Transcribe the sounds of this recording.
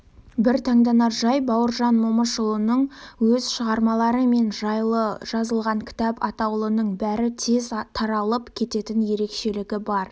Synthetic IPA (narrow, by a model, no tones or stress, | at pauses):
bɪɾt̪ʰɑɴd̪ɑnɑɾʒɑjbɑwəɾʒɑnmoməʃəlˠənəɴwɵzʃəʁɑɾmɑlˠɑɾəme̞nʒɑjlˠəʒ̥ɑzəlˠʁɑŋkʲʰɪ̥t̪ɑpɑt̪ɑwlˠənəɴbæɾɪt̪ʰe̞zt̪ʰɑɾɑlˠəpkʲʰe̞t̪e̞t̪ɪnje̞ɾe̞kʃe̞lɪɡʲɪbɑɾ